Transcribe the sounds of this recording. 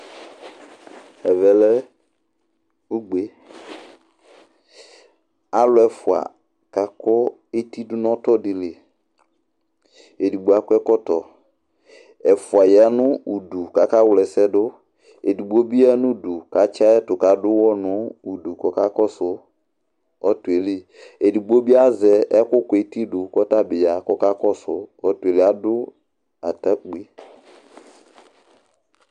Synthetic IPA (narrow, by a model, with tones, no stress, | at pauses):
ɛ˨vɛ˨lɛ˦ | u˦ɡ͡be˨ | a˦lʊ˦ɛ˨fʊ˨a̰˨ | ka˨kɔ˦ | e˦ti˦dʊ˦nɔ̃˦tɔ˦di˨le˨ | e˨du˨ɡ͡bo˨˦a˦kʷɛ˦kɔ˦tɔ˨ | ɛ˨fʊ˨a˨ja˨˦nʊ̃˦u˨du˨ka˨ka˦wlɛ˨sɛ˦dʊ˦ | e˨du˨ɡ͡bo˦bi˦a˦nũ˦du˨ka˨t͡ʃa˦ɛ˦tʊ˨ka˨dʊ˦wɔ˦nʊ˨˦u˨du˨kɔ˨ka˦kɔ˦sʊ˨ | ɔ˦tu˨e˨li˦ | e˨di˨ɡ͡bo˦bi˦a˦zɛ˨ɛ˦kʊ˦ke˨˦ti˦dʊ˨kɔ˦ta˦bɪ˨ja˨kɔ˦ka˦kɔ˦sʊ˨ɔ˦tu˨e˨li˦a˦dʊ˦ | a˨ta˦ɡ͡bi˦